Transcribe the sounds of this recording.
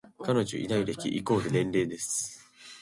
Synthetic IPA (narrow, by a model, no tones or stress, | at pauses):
kano̞ʑo̰ʔḭd̪aiɾe̞kʲḭʔiko̞ːd̪e̞nẽ̞nɾe̞ːd̪e̞sɨ̥